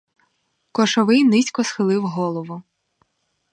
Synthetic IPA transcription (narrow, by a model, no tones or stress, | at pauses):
kɔʃɔʋɪjnɪsʲkɔsxɪlˠɪwɦɔlˠɔʋʊ